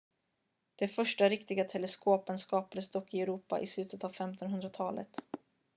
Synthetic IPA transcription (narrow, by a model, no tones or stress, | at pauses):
d̪̥ɛfœʂʈaɾɪkt̪ɪɡat̪ʰɛlɛskoːpənskɑːpad̪əsd̪ɔkːɪɛɾuːpa̰ʔɪslʉ̟ːt̪ət̪avfɛmt̪ɔnɦɵnd̪ɾat̪ʰɑːlə̰t̪